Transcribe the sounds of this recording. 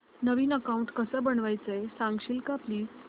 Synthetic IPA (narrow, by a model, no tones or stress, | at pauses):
nəʋiːnəkauɳʈkəsəːbəɳʋajt͡səjsãŋɡɕiːlkapliː